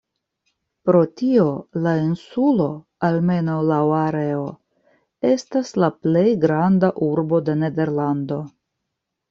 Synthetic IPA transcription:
pɾo̞tio̞lainsulo̞ | alme̞nawlawaɾeo | e̞staslaple̞jɡɾandaʔuɾbo̞de̞ne̞de̞ɾlando̞

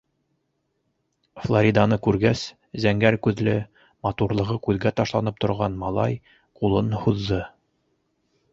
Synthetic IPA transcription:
flˠoɾʲid̪ɑnɤkʉɾɡæs | zæŋɡæɾkʉðlɘ | mɑt̪uɾlˠɤ̆ʁɤkʉðɡæt̪ɑʃlˠɑnɤp̚t̪ŏɾʁɑnmɑlˠɑ̰j | qulˠɤnhuðːɤ

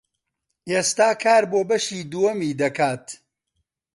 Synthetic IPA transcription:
ʔeːst̪aːkʰaːɾboːbɐʃiːd̪uwɐmiːd̪ɐkʰaːt̪

